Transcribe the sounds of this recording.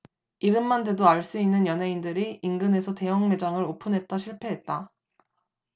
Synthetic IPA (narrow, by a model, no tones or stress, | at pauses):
iɾɯmːande̞doaɭs͈uinːɯnjʌnɦe̞indɯɾiinɡɯne̞sʰʌte̞jʌŋme̞d͡ʑaŋɯɾopʰunɦe̞t̚t͈aɕʰiɭpʰe̞ɦet̚t͈a